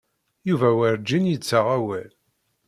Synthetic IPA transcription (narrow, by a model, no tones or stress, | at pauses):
juvæwəɾd͡ʒːinjit͡sːaʁæwæl